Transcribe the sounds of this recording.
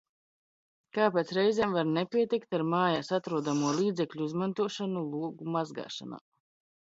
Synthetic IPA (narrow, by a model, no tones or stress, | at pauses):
kaːpet̪sɾɛjzʲɛːmvaɾnepʲiɛt̪ikt̪aɾmaːjasat̪ɾuɔd̪amuɔlˠiːd̪zɛklʲuizmant̪uɔʃanulˠuɔɡumazɡa̰ːʃa̰na̰ː